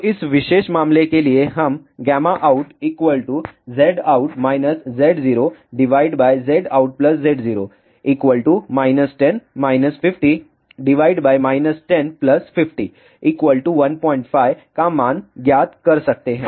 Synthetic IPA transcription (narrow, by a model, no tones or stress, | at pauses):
it͡sʋiɕeɕmamlekelijeɦamɡamaʔauʈikʋəlʈud͡zeɽauʈmajnəsd͡zeɽd͡ziɾoɖiʋaiɖbajd͡zeɽauʈ̚pləsd͡zeɽd͡ziɾo | ikʋəlʈumajnəsʈenmajnəsfifʈi | ɖiʋaiɖbajmajnəsʈenpləsfifʈi | ikʋəlʈuʋənpɔ̃iɳʈfajkãmanɡjat̪kəɾsək̚t̪eɦɛ̃